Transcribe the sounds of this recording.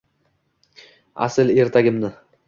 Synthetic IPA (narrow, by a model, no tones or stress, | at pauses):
a̰sɪle̞ɾt̪ʰaɡʲɪmnɪ